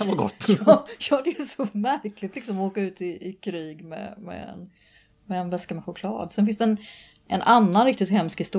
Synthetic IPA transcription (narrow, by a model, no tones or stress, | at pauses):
avaɡɔ̰t̪ːɑjɑːd̪ɛjəsɔmæɾklɪt̪lɪksɔmɔoːkaʉ̟ːt̪ɪɪkʰɾiːɡmɛ̰mɛ̰ɛ̰n | mɛːnvɛskamɛɧʊkʰlɑ̰ːd̪sɛnfɪnsd̪ɛɛn | ʔɛnʔanːanɾɪkt̪ɪt̪hɛmskhɪst̪u